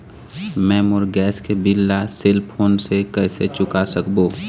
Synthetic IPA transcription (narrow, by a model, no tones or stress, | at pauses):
mɛːmʊɾɡɛːskebɪlːasɪlpoːnsekɛːset͡ʃʊkasəkboː